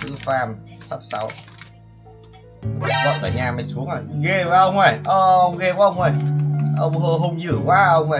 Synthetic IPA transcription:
t̪ʰɨ˨˦faː˧msa˦˥p̚sa̰˨˦w | a˨˦zə̰˧˥w̚t̪a̰ː˧˩jɲaː˧maː˨˦jsu˨˦əŋʔo˧˨˩ɣe˧vaː˨˧˦ʔə˧wŋ͡mə˨˩jʔɔ˧˩ʔə˧wŋ͡mɣɛ˧kaː˨˦ʔə˧wŋ͡mʔə˨˩jʔə˧wŋ͡mɦo˧ɦo˧wŋ͡mzɨ˧˩əkwaː˨˦ʔə˧wŋ͡mə˨˩

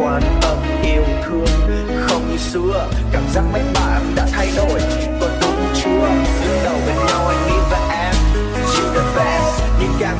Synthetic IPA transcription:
aː˧˩nʔə˨˧˩wŋ͡mʔi˧əwt̪ʰɨ˨˩əŋ | xə˧wŋ͡msɨ˨˧˦ə | kaː˧˩mzaː˧˥k̚ma˨˦j̚ɓaː˧˨˩ɗa̰ː˧˥t̪ʰa˧jɗo˨˩j | kə˨˩tɗə˨˩˨t͡ɕɨ˧˦əɗɨ˨˧˦ŋɗə˧˩wve˨˩ɲa˨˧wa˨˩jŋi˧˦vaː˨˩ʔɛ˧m˨ | zi˧˩ɗə˨˦˥vɛ˦˥ | ɲi˧kaː˧˩

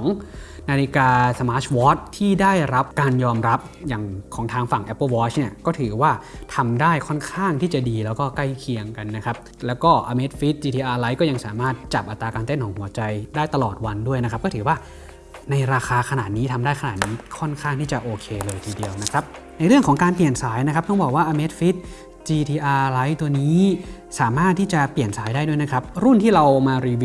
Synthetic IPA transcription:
kʰɔː˦ŋnaː˧li˦˧kaː˧sə˧maː˦˥t͡ɕʰwɔː˦˥t̪̚ʰːiː˥˩daː˥˩jɾa˦˥p̚kaː˧njɔː˧mɾa˦˥p̚jaː˨˩ŋkʰɔː˩˦ŋt̪ʰaː˧ŋfa˨˩ŋʔɛ˦˥pːɤː˥˩wɔː˦˥t͡ɕni˥˩ɐkɔː˥˩t̪ʰɯː˩˦waː˥˩t̪ʰa˧mdaː˥˩jkʰɔ˥˩nkʰaː˥˩ŋt̪ʰiː˥˩t͡ɕa˨˩diː˧lɛː˦˥wkɔː˥˩ka˥˩jkʰi˧əŋka˧nːa˦˥kʰa˦˥p̚ | lɛː˦˥wkɔː˥˩ʔa˧me˦˥t̪̚fi˦˥t̪̚t͡ɕiː˧iː˧ʔaː˧la˦˥jkɔ˥˩ja˧ŋsaː˩˦maː˥˩t̪̚t͡ɕa˨˩p̚ʔa˨t̪ːɾaː˧kaː˧nt̪e˥˩nt̪ʰɔː˩˦ŋɦu˩˦ɐt͡ɕa˧jdaː˥˩jt̪a˧lɔː˨˩t̪̚wa˧ndu˥˩əjna˦˥kʰa˦˥p̚kɔː˥˩t̪ʰɯː˩˦waː˥˩ | na˧jɾaː˧xʰaː˧kʰa˧naː˨˩t̪̚niː˦˥t̪ʰa˧mdaː˥˩jkʰa˧naː˨˩t̪̚niː˦˥kʰɔ˥˩nkʰaː˥˩ŋt̪ʰiː˥˩t͡ɕa˨˩ʔoː˧kʰeː˧lɤː˧jt̪ʰiː˧di˧əwna˦˥kʰɾa˦˥p̚ | na˧jɾɯ˥˩əŋkʰɔː˩˦ŋkaː˧npli˨˩ənsaː˩˦jna˦˥kʰa˦˥p̚t̪ɔ˥˩ŋbɔː˨˩k̚waː˥˩ʔa˧me˦˥t̪̚fi˦˥t̪̚ | t͡ɕiː˧t̪ʰiː˧ʔaː˧la˦˥jt̪u˧əniː˦˥ | saː˩˦maː˥˩t̪ʰːiː˥˩t͡ɕa˨˩pli˨˩ənsaː˨˦jdaː˥˩du˥˩˨jna˦kʰa˦˥p̚ɾu˥˩nt̪ʰiː˥˩ɾa˧wmaː˧ɾiː˧

